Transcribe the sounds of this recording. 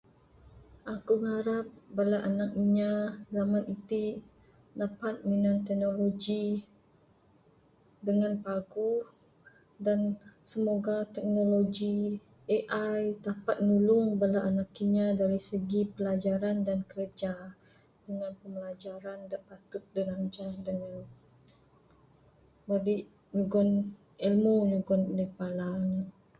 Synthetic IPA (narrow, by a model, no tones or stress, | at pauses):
ʔakuŋaɾap̚balaʔanak̚iɲãzamãnit̪i | dapat̪̚minãnt̪ɛk̚noloɡi | dəŋãnpaɡu | dansəmoɡat̪ɛk̚noloɡi | eʔajt̪apat̪̚nulʊŋbəlaʔanakiɲãdaɾisəɡipəlad͡ʒaɾandankəɾəd͡ʒa | dəŋanpəməlad͡ʒaɾandapat̪ʊt̪̚dənand͡ʒadəŋan | bəɾiʔ | ɲuɡɔn | ɛlmoɲuɡɔndəpalana